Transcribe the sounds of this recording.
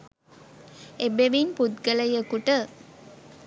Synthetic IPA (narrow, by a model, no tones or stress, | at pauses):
ebeʋinpud̪ɡɐlɐjəkːuʈə